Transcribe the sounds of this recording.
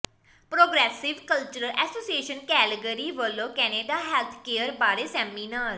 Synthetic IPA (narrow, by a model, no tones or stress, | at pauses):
pɾoːɡɾɛːsɪʋkəlt͡ʃəɾəlʔɛːsoːsieːʃənkɛːləɡəɾiːʋəlːõːkɛːneːɖaːɦɛːlt̪ʰkeːəɾbaːɾeːsɛːmiːnaːɾ